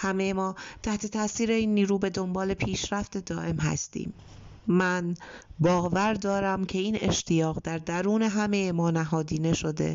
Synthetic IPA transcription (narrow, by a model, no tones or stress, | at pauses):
hæme̞jemɒːt̪ʰæht̪ʰe̞t̪ʰæsiːɾe̞iːnːiːɾuːbe̞d̪o̞mbɒːle̞pʰiːʃɾæft̪e̞d̪ɒːʔe̞mɦæ̰st̪ḭːmː | ænbɒːɣvæɾd̪ɒːɾæmcʰe̞iːne̞ʃt̪ʰijɒːɣd̪æɾd̪æɾuːne̞ɦæme̞jemɒːnæɦɒːd̪iːne̞ʃo̞d̪e̞̰